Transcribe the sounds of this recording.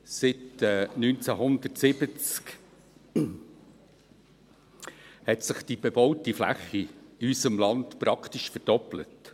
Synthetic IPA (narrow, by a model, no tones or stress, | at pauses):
sɪtɛnynt͡sæɦʊndərtsɪb̥ət͡sk | hɛtsɪχd̥ib̥ɛbɔʊtiflæ̰χiysəmlɑntpɾɑktɪʃfəɾd̥ɔplə̰t